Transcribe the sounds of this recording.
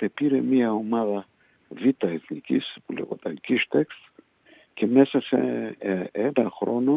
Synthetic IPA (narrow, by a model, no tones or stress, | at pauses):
epiɾe̞miɐo̞mɐðɐ | vit̪ɐeθnicispulḛɣo̰t̪ɐkiʃt̪eks | ce̞me̞sɐse | enɐxɾo̞no̞